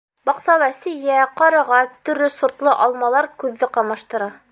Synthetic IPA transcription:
bɑqsɑlˠɑsɘ̆jæqɑɾɑʁɑt̪ɵ̆ɾɵsuɾt̪lˠɤʔɑlˠmɑlˠɑɾkʉðːɘqɑmɑʃt̪ɤ̆ɾɑ

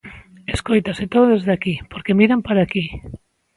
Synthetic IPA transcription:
eskojt̪aset̪oðoðezðakipoɾkemiɾampaɾaki

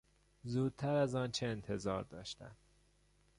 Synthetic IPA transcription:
zuːd̪̥̚t̪ʰæɾæzɒːnt͡ʃʰeːnt̪ʰe̞zɒːɾd̪ɒːʃt̪æ̰n

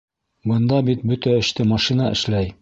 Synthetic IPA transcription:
bɤ̆nd̪ɑbit̪̚bɵt̪æɵ̆ʃt̪ɘmɑʃinɑɘ̰̆ʃlæj

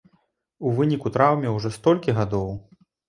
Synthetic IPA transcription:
uvɨnʲikut̪ɾawmʲɛwʐɔst̪ɔlʲkʲiɣad̪ɔw

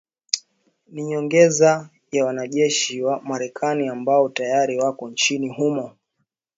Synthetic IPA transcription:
niɲɔŋɡɛza | jawanaʄɛʃiwamaɾɛkʰaniambaɔtajaɾiwakɔnt͡ʃiniɦumɔ

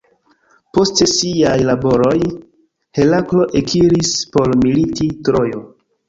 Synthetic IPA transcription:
po̞stesiajlabo̞ɾo̞j | he̞laklo̞ʔekʰiɾispo̞ɾmilititɾo̞jo

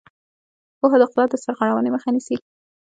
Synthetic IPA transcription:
poɦad̪əqʊlɑt̪̚d̪əsaɾɣaɽawəneməxanisi

